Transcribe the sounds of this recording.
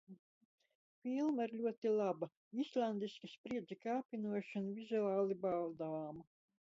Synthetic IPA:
filˠmaiɾlʲuɔt̪ilˠabɐ | islˠand̪iskispɾiɛd̪zikaːpʲinuɔʃanuvizuaːlˠibalˠd̪aaːma

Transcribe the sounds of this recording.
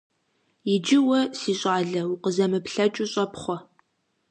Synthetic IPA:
jɪd͡ʒɪwɐsiːɕʼɑːɮɐwuqəzɐmɨpɬɐt͡ʃʼʊɕʼɐpχʷɔ

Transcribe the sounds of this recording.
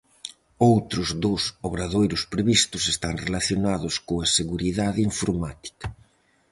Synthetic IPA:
owt̪ɾʊzðosoβɾaðojɾʊspɾeβist̪ʊsest̪aŋrelaθjonaðʊskoaseɣuɾiðaðɪiɱfoɾmat̪i̥kɐ̥

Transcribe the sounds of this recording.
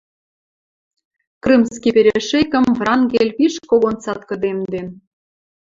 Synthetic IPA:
krɨmskipeɾʲeʃekə̆mvrɑŋɡelʲpiʃkoɣont͡sɑt̪kə̆d̪emd̪en

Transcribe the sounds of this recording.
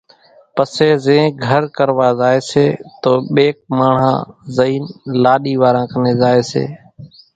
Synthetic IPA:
pəseːzẽːɡʱəɾkəɾʋaːzaːeːseːt̪oːɓeːk̚maːɳ̤ã̰ːzəiːnlaːɗiːʋaːɾãːkəneːzaːeːsḛː

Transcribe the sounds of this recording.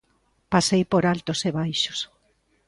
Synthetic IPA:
pasejpoɾalt̪oseβajʃo̥s

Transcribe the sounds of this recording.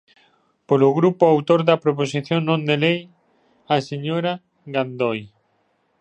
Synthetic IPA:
polʊɣɾupoawt̪oɾðɐpɾoposiθjonnːõnd̪elej | aseɲoɾa | ɣand̪oj

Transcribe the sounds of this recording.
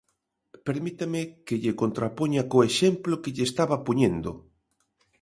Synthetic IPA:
peɾmit̪amɪkeʎekont̪ɾapoɲakoeʃemplokeʎest̪aβapoɲend̪o̰

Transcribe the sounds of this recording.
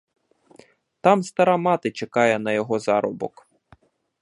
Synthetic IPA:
t̪ɑmst̪ɐɾɑmɑt̪ɪt͡ʃekɑjɛnɐjɔɦɔzɑɾɔbɔ̰k

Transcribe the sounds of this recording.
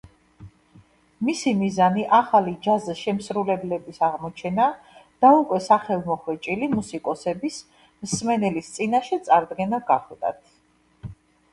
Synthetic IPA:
misimizaniʔaχalid͡ʒaziʃɛmsɾulɛblɛbisaʁmɔt͡ʃʰɛna | d̪̥aukʼwɛsaχɛlˠmɔχwɛt͡ʃʼilimusikʼɔsɛbis | msmɛnɛlist̪sʼinaʃɛt̪sʼaɾd̪ɡɛnaɡaχlˠd̪a̰t̪ʰ

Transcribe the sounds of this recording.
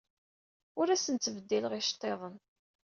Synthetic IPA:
ʊɾæsənt̪ːəvəd̪ːiləʁiʃt̪ˤːeðˤən

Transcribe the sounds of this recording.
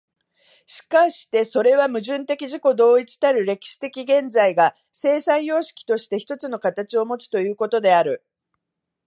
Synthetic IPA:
ɕi̥kaɕi̥t̪e̞so̞ɾe̞βamɯ̟ʑɨ̃nt̪e̞kʲiʑiko̞d̪o̞ːit͡sɨ̥t̪aɾɯ̟ɾe̞kʲi̥ɕi̥t̪e̞kʲiɡẽ̞nd͡zaiɡa | se̞ːsãɰ̃jo̞ːɕi̥kʲi̥t̪o̞ɕi̥t̪e̞çi̥t̪o̞t͡sɨno̞kat̪at͡ɕio̞mo̞t͡si̥t̪o̞jɯ̟ːko̞t̪o̞d̪e̞aɾɯ̟

